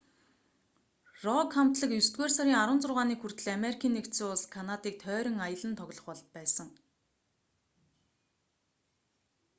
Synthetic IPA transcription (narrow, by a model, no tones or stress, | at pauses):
rɔkʰam̥t̪ɮə̆kjɵst̪̚ɡeːrsaɾʲiːŋaɾwə̆nt͡sʊrʁaːniːxur̥t̪ɘ̆ɮameɾikʰiːnːekt̪suːʊɮskʰanat̪iːk̚t̪ʰœːɾʲɪ̆ŋajə̆ɮə̆nt̪ʰɔɣʲɮɞ̆χpɔɮt̪̚pæːsə̆ŋ